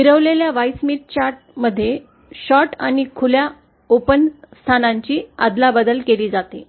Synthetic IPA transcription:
ʋiɾəʋleljaʋajsmit̪̚t͡ɕaɾʈ̚məd̪ʱːje | ɕɔʈañikʰulja | opənst̪ʰanaɲt͡ɕiːa̰d̪labəd̪əlkeliːd͡zat̪e

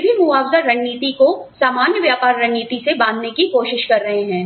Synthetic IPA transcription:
bʱimʊaːwzəɾɐnːiːt̪ikosaːmaːnjəʋjaːpaːɾːɐɳːiːt̪isebãːnd̪nekikoːʃɪʃkɐɾːɐɦeɦɛ̃ː

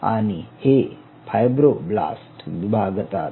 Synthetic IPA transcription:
a̰ñihe | fʰajbɾobla̰sʈʋibʱaɡət̪a

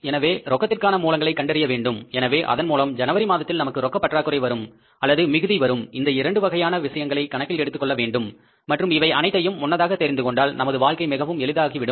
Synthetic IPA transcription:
ɛnɐʋeːɾɔkːɐt̪ːɪrkaːnɐmuːlɐŋɡɐɭɐɪkːɐɳɖɛɾɪjɐʋeːɳɖɯmɛnɐʋeːʔɐ̰ðɐnmuːlɐmd͡ʒɐnɐʋɐɾimaːðɐt̪ːɪlnɐmɐkːɯɾɔkːɐpːɐʈraːkːɯɾɐɪʋɐɾɯm | ɐlːɐðɯmɪɣɯðiʋɐɾɯmɪnd̪ɐɪɾɐɳɖɯʋɐɣɐjaːnɐʋɪʂɐjɐŋɡɐɭɐɪkːɐɳɐkːɪlɛɽɯt̪ːɯkːɔɭːɐʋeːɳɖɯmː | ɐʈrɯmɪʋɐɪɐnɐɪt̪ːɐjɯmːʊnːɐðaːɣɐt̪ːɛɾɪnd̪ɯkɔɳɖaːlnɐmɐðɯʋaːɭkɐɪmɪɣɐʋɯmɛɭɯðaːɣiʋɪɽɯ

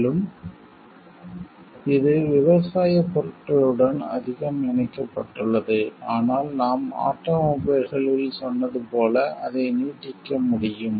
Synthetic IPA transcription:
lɯm | ɪðɯʋɪʋɐsaːjɐpːɔɾɯʈːɐɭɯɽɐnɐ̰ðɪɣɐmɪnɐkːɐpːɐʈːɯɭːɐðɯaːnaːlnaːma̰ːʈːɐːmʊːbɐɾɣɐɭɪlsɔnːɐðɯpoːlɐʔɐðɐɪniːʈːɪkːɐmʊɽɪjɯm

